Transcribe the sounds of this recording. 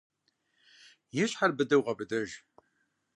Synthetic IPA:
jɪɕħarbɨdɨwʁɐbɨdɨʒ

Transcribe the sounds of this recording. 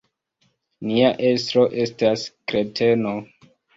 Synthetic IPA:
niaʔe̞stɾo̞ʔe̞staskɾe̞tʰe̞no

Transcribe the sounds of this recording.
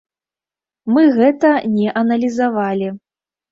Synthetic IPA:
mɨɣɛt̪ɐnʲɛʔɐnɐlʲizavalʲi

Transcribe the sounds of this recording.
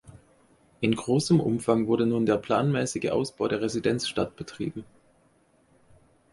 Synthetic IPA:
ʔɪnɡʁoːsəmʔʊ̰mfaŋvʊɐɾənuːndeːɐpʰl̥aːnmɛːsɪɡəʔa̰ʊsb̥aʊɾeːɐʁezidɛnt͡sʃtat̚b̥ətʁ̥ḭːbm̩

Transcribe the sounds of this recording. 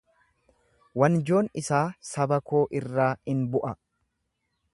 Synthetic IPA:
wɐnd͡ʒo̞ːnɪsaːsɐbɐko̞ːʔɪrːaːɪnbʊʔɐ

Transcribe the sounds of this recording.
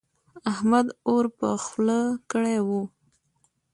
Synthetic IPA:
ahmad̪oɾpəxləkəɽewu

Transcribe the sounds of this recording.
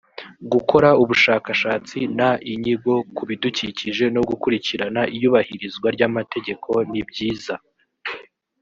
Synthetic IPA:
ɡuko̞ɾauβuʃaːkaʃaːt͡sinaʔiɲiɡo̞kuβiduciciʒe̞no̞ɡukuɾiciɾanaʔijuːβahiɾizɡwaɾɟamate̞ɟe̞kʰo̞nibɟiːza

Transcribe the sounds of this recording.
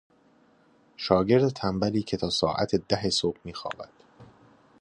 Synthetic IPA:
ʃɒːɟe̞ɾd̪et̪ʰæmbæliːcʰe̞t̪ʰɒːsɒːʔæ̰t̪ʰed̪æɦesoːb̥miːxɒ̰ːbæ̰d̪̥

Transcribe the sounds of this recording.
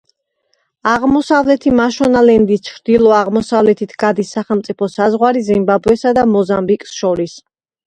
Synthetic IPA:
aʁmɔsavlɛt̪ʰimaʃɔnalɛnd̪it͡ʃʰɾd̪ilˠɔaʁmɔsavlɛt̪ʰit̪ʰɡad̪isːaχɛlmt̪sʼipʰɔsazʁwaɾizimbabɛsad̪amɔzambikʼsʃɔɾis

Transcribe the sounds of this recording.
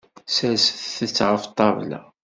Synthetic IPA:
sælsəθθət͡sːʁəft̪ˤːɑvlæ̰

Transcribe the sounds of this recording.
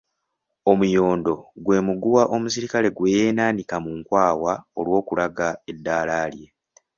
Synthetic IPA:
o̞mujo̞ːndo̞ɡwe̞ːmuɡuwaʔo̞musiɾikale̞ɡwe̞ːjeːnaːnikamuŋkwaːwao̞lwo̞ːkulʔaɡae̞dːaːlaːlje̞

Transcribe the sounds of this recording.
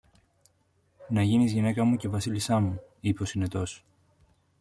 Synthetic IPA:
nɐʝinizʝine̞kɐmuce̞vɐsilist̪ɐmuipo̞sine̞t̪o̞s

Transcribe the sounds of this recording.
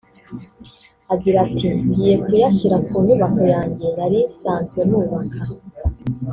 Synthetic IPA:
aɟiɾatʰiɲɟiːje̞kujaʃiɾakuːnuβako̞jaːɲɟe̞naɾisaːnzɡwe̞nuːβakʰa

